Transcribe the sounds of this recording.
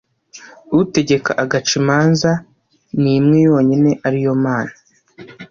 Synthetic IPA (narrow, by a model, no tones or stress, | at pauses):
ute̞ɟe̞ka̰ʔaɡat͡ʃimaːnza | nimŋe̞jo̞ːɲine̞ʔaɾijo̞maːna